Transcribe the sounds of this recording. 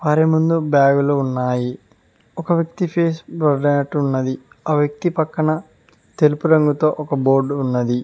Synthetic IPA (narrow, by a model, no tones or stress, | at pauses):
ʋaːɾemund̪ubjaːɡuloːunːaːji | ɔkɐʋjɐk̚t̪ipʰeːsbɾɐɖɐnɐʈːunːɐd̪i | aːʋjɐk̚t̪ipɐkːɐɳɐ | t̪elupuɾɐŋɡut̪o̞ːʔɔkɐboːɾɖunːɐd̪i